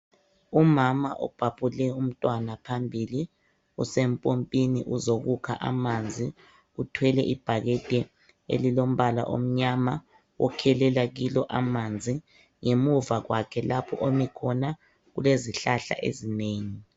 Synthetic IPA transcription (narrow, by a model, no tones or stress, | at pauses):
umamaʔɔ̰b̥ʱapʰʼulɛum̩tʼwanapʰambʱili | usempʼompʼinḭʔuzoɣukʰa̰ʔa̰mand͡zʱi | utʰwɛlɛʔib̥ʱaɣɛd̥ʼʱɛ | ḛlilom̩βala̰ʔo̰m̩ɲama | wʔɔ̰kʰɛlɛlaɣilɔʔamand͡zʱi | ŋemuvaɣwakʰɛlapʰɔʔomikʰɔna | ɣuleziɬaɬa̰ʔḛzineːŋi